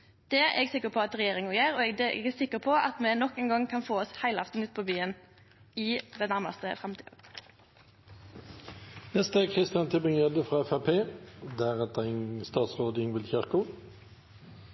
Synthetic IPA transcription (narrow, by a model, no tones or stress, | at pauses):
d̪̥ɛɛ̰ɡsɪkːəpʰɔɑt̪ʁɛjeːʁɪŋɔjeːɾɔɛd̪ɛʔɛ̰ɡɛsɪkːəpʰɔʔɑ̰t̪mɛnɔkːɛnɡɑŋkʰɑnfoːɔshæɪlɑft̪n̩ʉːt̪̚pʰɔːbyːən | ɪd̪ɛnæʁmɑ̰st̪ə̰fʁɛmt̪ʰiːə̰ | nɛst̪əɛkʰʁɪst̪ɪjɑnt̪ʰɪbɪŋjɛləfʁɑːɛfæpʰeːd̪æʁɛt̪əɪnst̪ɑːt̪sʁoːd̪ɪŋʋɪlçæʁkʊ